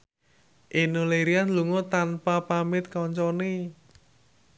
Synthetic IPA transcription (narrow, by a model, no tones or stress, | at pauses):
ʔenuleɾianluŋɔt̪anpapamɪt̪̚kɔɲt͡ʃɔne